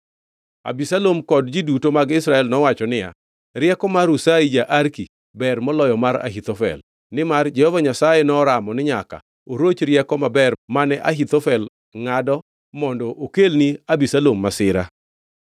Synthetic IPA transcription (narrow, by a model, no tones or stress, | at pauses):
a̰bisalomkɔdd͡ʒidutomaɡɪsɾaɛlnɔwat͡ʃɔnɪja̰ | ɾjɛkɔmaɾusaid͡ʒaʔaɾki | bɛrmɔlɔjɔmaɾa̰ɦit̪ofɛ̰l | nɪmard͡ʒɛhɔvaɲasajenɔɾamɔnɪɲaka̰ | oɾot͡ʃɾjɛkɔmabɛrmanɛʔaɦit̪ɔfɛl | ŋadɔ | mɔndɔʔokelniabisalomːasɪɾa̰